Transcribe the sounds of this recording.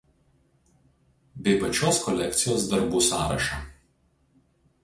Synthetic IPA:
bʲɛɪpɐt͡ʃʲoːskɔlʲɛkt̪sʲɪjoːsd̪ɐɾbuːsɑːɾɐ̰ʃɑː

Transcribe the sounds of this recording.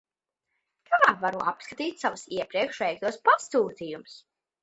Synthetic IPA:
k̪avaːvaɾuʔapskat̪iːt̪ʲsavusiɛpɾiɛkʃvɛjk̚t̪uɔspast̪uːt̪ijums

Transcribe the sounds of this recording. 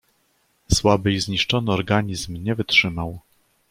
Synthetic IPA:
swabɘizɲiʂt͡ʂɔnɘɔɾɡaɲizmɲɛvɘtʂɘmaw

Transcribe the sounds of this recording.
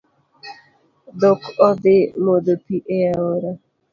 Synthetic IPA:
dɔkɔd̪ɪmod̪opiʔeaoɾa

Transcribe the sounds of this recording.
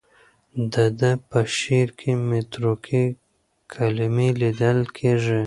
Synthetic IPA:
d̪əd̪əpəʃeɾkʰemet̪ɾokʰi | kʰalɪmelid̪əlkʰeʐi

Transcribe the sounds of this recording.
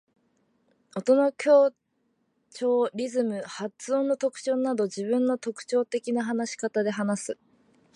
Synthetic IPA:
o̞t̪o̞nokʲo̞ː | t͡ɕo̞ːɾʲizɨmɯ̟hat͡sɨõ̞nːo̞t̪o̞kɯ̥t͡ɕo̞ːnːad̪o̞ʑibɯ̟̃nːo̞t̪o̞kɯ̟̥t͡ɕo̞ːt̪e̞kʲinaɦanaɕi̥kat̪ad̪e̞ɦanasɨ

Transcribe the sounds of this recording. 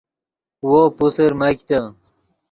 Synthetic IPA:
wopuseɾmɐkt̪a

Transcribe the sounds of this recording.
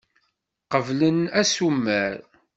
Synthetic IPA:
qəvlənæsumːæɾ

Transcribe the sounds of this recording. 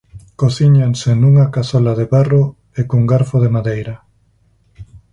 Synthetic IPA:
koθiɲaŋsenuŋakaθɔlaðeβaro | ekuŋɡaɾfoðemaðejɾa

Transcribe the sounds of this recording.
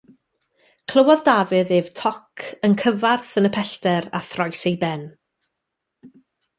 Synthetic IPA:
kʰl̥ˠəwɔðdavɨðeːv̥tʰɔkʰənkʰəvarθənəpʰɛɬtɛɾa̰θrɔjsejbɛn

